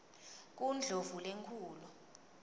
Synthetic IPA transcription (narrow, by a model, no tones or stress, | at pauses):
k̬und͡ɮʱovuleŋkʰuːlɔ